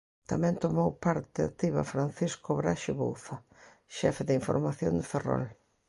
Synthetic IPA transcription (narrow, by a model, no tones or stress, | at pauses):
t̪amɛ̃nt̪omowpaɾt̪ɪa̰t̪iβa̰fɾanθiskoβɾaʃɪβo̰wθɐ | ʃɛfeðiɱfo̰ɾmaθjo̰nd̪ɪferɔ̰l